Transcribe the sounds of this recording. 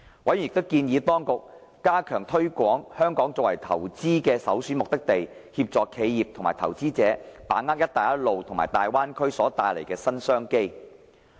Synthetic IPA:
wɐ˨˥jjɪ˨k̚t̪ʊ˥wkiː˧njiː˨˧t̪ɔː˥ŋkʊ˨k̚ː | aː˥kʰœː˨˩ŋt̪ʰɵ˥kʷɔː˨˥ŋhœː˥ŋkɔː˨˥ŋt͡sɔː˧˥wɐ̰˨˩jt̪ʰɐ̰˨˩wt͡siː˥kɛː˧sɐ̰˨˥wsyː˨˥mʊ˨k̚t̪ɪ˥k̚t̪e˨j | hiː˧p̚t͡sɔː˨kʰe˨˧jjiː˨p̚t̪ʰʊ˨˩ŋmaː˨jt̪ʰɐ˨˩wt͡siː˥t͡sɛː˨˥paː˨˥ŋːaː˥k̚jɐ˥t̚t̪aː˨˩jɐ˥t̚lo˨wt̪ʰʊ˨˩ŋma̰ː˨˩jt̪aː˨jwaː˥nkʰɵ˥ɥsɔː˨˦˥t̪aː˨jle˨˩jkɛː˧sɐ˥nsœː˥ŋke˥j

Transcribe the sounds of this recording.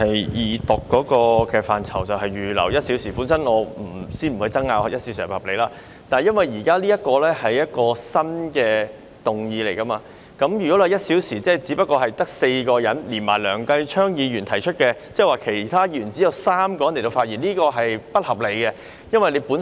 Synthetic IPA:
ɐ˨jjiː˨˧t̪ʊ˨kːɔː˨˥kɔː˧kɛː˧faː˨nt͡sʰɐ˨˩wt͡sɐ˨wɦɐ˨˩jɥyː˨lɐ̰˨˩wjɐ˥t̚si˨˥wsiː˨˩puː˨˥nsɐ˥nŋɔː˨˧m̩˨˩siː˥nm̩˨˩hʰɵ˧jt͡sɐ˥ŋaː˧whjɐ˥si˧˦˥wsiː˨phɐ˨˩ple˨˧jlaː˥ | t̪aː˨nhjɐ˥nwɐ˨jjiː˨˩kaː˥liː˥jɐ˥t̚kɔː˧lɛː˥hɐ˨jjɐ˥t̚kɔː˧sɐ˥nkɛː˧ | t̪ʊ˨˩ŋjiː˧le˨˩jkɐ˥maː˧ | kɐ˨˥mjyː˨˩kɔː˨˥lɛ˨˧jɐ˥t̚siː˨˥wsiː˨˩t͡sɛː˥˩t͡siː˨˥pɐ˥t̚kːɔː˧ɦɐ˨jt̪ɐ˥k̚se˧jkɔː˧jɐ˨˥nliː˨˩nmaː˨˩jlœː˨˩ŋkɐ˧jt͡ʃʰœː˥ŋjiː˨˧jyː˨˩nt̪ʰɐ˨˩jt͡ʃʰɵ˥t̚kɛ˧t͡sɛː˥˩waː˨˩kʰe˨˩jt̪ʰaː˥ji˧˨jyː˨˩nt͡siː˨˥jɐ˨˧wsaː˥mkɔ˧jɐ˨˦nle˨˩t̪o˧faː˧t̚jiː˨˩nliː˥kɔː˧ɦɐ˨jpɐ˥t̚hɐ˨p̚le˨˧jkɛ˧ | jɐ˥nwɐ˨˩jle˨˧jpuː˨˥n

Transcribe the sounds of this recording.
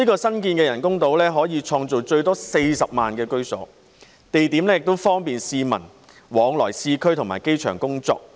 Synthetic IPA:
niː˥kɔː˧sɐ˥nk̬iː˧nkɛː˧jɐ˨˩nkʊ˥ŋt̪o˨˥wlɛː˥ɦɔː˨˥jiː˨˧t͡ʃʰɔː˧ŋt͡so˨wt͡ʃɵ˧ɥt̪ɔː˥se˧jsɐ˨p̚maː˨nkɛː˧kɵ˥ɥsɔ̰ː˨˥ | t̪e˨jt̪iː˨˥mlɛː˥jɪ˨k̚t̪o˥wfɔː˥ŋpiː˨nsiː˧mɐ˨˩n | wɔː˨˧ŋlɔː˨˩jsiː˧kʰɵ˥ɥt̪ʰʊ˨˩ŋma̰ː˨˩jke˥jt͡ʃʰœː˨˩ŋkʊ˥ŋt͡sɔ̰ː˧k̚

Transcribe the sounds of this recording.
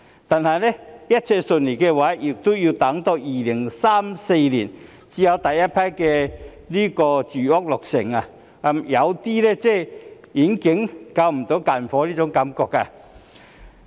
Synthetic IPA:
t̪a˨nha˨jlɛ˦ja˦˥t̚t͡sʰɛ˧sʊ˧nli˨˩ke˧wa˨˧˦ʔi˨˩k̚t̪u˦˥ji˧t̪a˨˧˦ŋt̪ɔ˧iː˨˩li˨˩ŋsa˦˥mse˧lḭ˨˩n | t͡ɕi˨˦ja˧wt̪a˨˩jja˦˥pʰa˥jke˧ | li˥kɔ˧t͡ɕy˨˩ɔ˥k̚lʊ˨˩k̚sɪ˨˩ŋa˨ | a˧mja˨˧˦wt̪i˦lɛ˦˧t͡sɛ˥˩ | i˨˦ŋki˨˦ŋka˧wm̩˨˩t̪o˨˦ka˨nfɔ˨˧˦li˥˧t͡sʊ˨˧˦ŋka˧˦mkɔ˧k̚a˨

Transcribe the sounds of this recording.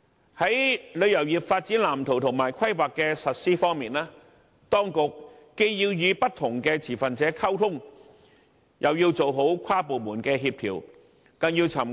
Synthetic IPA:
hɐ˨˥jlɵ˨˧ɥjɐ˨˩wjiː˨p̚faː˧t̚t͡siː˨˥nlaː˨˩mt̪ʰo˨˩wt̪ʰʊ˨˩ŋmaː˨˩jkʷʰɐ˥jwaː˨kːɛː˧sɐ˨t̚siː˥fɔː˥ŋmiː˨nlaː˥ | t̪ɔː˥ŋkʊ˨kːe˥jjiː˧wjyː˨˧pɐ˥t̚t̪ʰʊ˨˩ŋkɛː˧t͡sʰiː˨˩fɐ˨nt͡sɛː˨˥kʰɐ˥wt̪ʰʊ˥ŋ | jʔɐ˨wjiː˧wt͡so˨wɦo˨˥wkʷʰaː˥po˨wmuː˨˩nkɛː˧ɦiː˧p̚pʰḭː˨˩w | kɐ˧ŋjiː˧wt͡sʰɐ˨˩m

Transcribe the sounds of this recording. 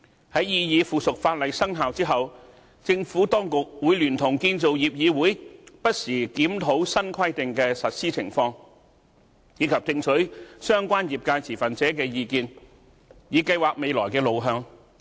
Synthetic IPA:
hɐ˨˥jjiː˧jiː˨˧fuː˨sʊ˨k̚faː˧t̚lɐ˨jsɐ˥ŋɦaː˨wt͡siː˥ɦɐ˨w | t͡sɪ˧ŋfuː˨˥t̪ɔː˥ŋkʊ˨k̚wuː˨˥jlyː˨˩nt̪ʰʊ˨˩ŋkiː˧nt͡so˨wjiː˨p̚jiː˨˧wuː˨˥jpɐ˥t̚siː˨˩kiː˨˥mt̪ʰo˨˥wsɐ˥nkʰɐ˥jt̪ɪ˨ŋkɛː˧sɐ˨t̚siː˥t͡sʰɪ̰˨˩ŋfɔː˧ŋ | jiː˨˧kʰɐ˨p̚t͡sɪ˧ŋsʰɵ˨˥ɥsœː˥ŋkʷaː˥njiː˨˩p̚kaː˧jt͡sʰiː˨˩fɐ˨nt͡sɛː˨˥kɛː˧jiː˧kiː˧n | jiː˨˧kɐ˧jwaː˨k̚me˨˧jlɔː˨˩jkɛː˧lo˨˧wɦœː˧ŋ

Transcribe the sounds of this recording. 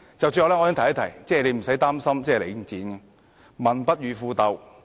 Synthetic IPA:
t͡sɐ˨wsy˧ɔ˨˧lɛː˥ɔ˧ji˥t̪ʰɐ˦˥t̪ʰɐ˨˩jt͡sɛː˥˩˨le˨˧jm̩˨˩sɐ˨˥jt̪aː˥msɐ˥mt͡sɛː˥˨le˨˧jt͡siː˨˥n˧ | mɐ˨npɐ˥t̚ɥyː˨˧fuː˧t̪ɐ˧w

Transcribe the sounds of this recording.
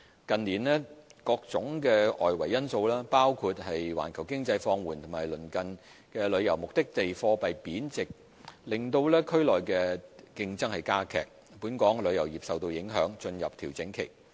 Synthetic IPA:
kɐ˨nliː˨˩nlɛː˥kɔː˧k̚t͡sʊ˨˥ŋkɛː˧ɔ̰ː˨jwɐ˨˩jːɐ˥nso˧wlaː˥paː˥wkʰuː˧t̚hɐ˨jwa̰ː˨˩nkʰɐ˨˩wkɪ˥ŋt͡sɐ˧jfɔː˧ŋwuː˨˩nt̪ʰmaː˨˩jlɵ˨˩nkɐ˨n | kɛː˧lɵ˨˧ɥjɐ˨˩wmʊ˨k̚t̪ɪ˥k̚t̪e˨jfɔː˧pɐ˨jpiː˨˥nt͡sɪ˨k̚ | lɪ˨˩ŋt̪o˧wlɛː˥kʰɵ˥ɥlɔː˨˩jkɛː˧kɪ˧ŋt͡sɐ˥ŋhɐ˨˩jkaː˥kʰɛ̰ː˨k̚ | puː˨˥nkɔː˨˥ŋlɵ˨˧ɥjɐ˨˩wjiː˨psɐ˨wt̪o˧wjɪ˨˥ŋɦœː˨˥ŋt͡ʃɵ˧njɐ˨p̚t̪ʰiː˨˩wt͡sɪ˨˥ŋkʰe˨˩j

